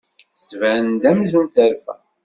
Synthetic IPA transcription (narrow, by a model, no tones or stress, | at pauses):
svæɾənd̪æmzunθæɾfæ̰